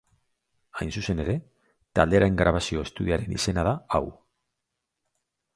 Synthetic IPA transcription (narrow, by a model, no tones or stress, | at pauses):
ajnsuse̞ne̞ɾe̞ | t̪ald̪e̞ɾaeŋɡɾaβ̞asio̞est̪uð̞iaɾe̞nḭse̞nað̞aaw